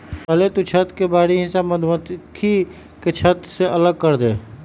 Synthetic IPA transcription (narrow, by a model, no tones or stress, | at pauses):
pəlet̪ut͡ʃʰət̪kebaːɾiɦɪ̃saməd̪ʱmət̪kʰi | ket͡ʃʰət̪seʔələɡ̚kəɾd̪eː